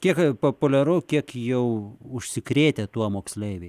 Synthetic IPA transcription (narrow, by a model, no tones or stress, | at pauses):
kʲiɛkpoːpʊlʲɛɾʊʊkʲiɛkjɛʊʊʃʲsʲɪkɾʲeːt̪ʲɛt̪uɔmoːksʲlʲeːʋʲeɪ